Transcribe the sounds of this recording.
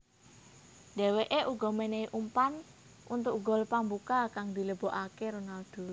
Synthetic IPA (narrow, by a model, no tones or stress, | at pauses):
d̪̥ɛ̤weʔeʔuɡɔ̤meneiʔumpan | ʔunt̪ʊkɡɔ̤lpambukakaŋd̪i̤ləb̥ɔʔakeɾonald̪̥ṳ